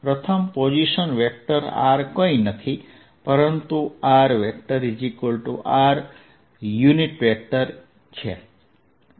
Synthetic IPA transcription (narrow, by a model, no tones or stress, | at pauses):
pɾət̪ʰəmpod͡ʒiʃənʋɛk̚ʈəɾa̰ɾkoinət̪ʰi | pəɾənt̪uaɾʋɛk̚ʈəɾid͡ʒikulʈuʔaɾ | juniʈʋɛk̚ʈəɾ | t͡ʃʰe